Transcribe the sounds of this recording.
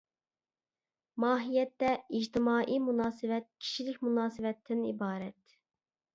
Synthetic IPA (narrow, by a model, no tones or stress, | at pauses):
mɑːɦijɛt̪ːɛid͡ʒt̪ʰɪmɑːʔimunɑːsɨwɛt̪̚kʲʰi̥ʃilɪkʲmunɑːsɨwɛt̪ʰːɪnḭbɑːɾɛt̪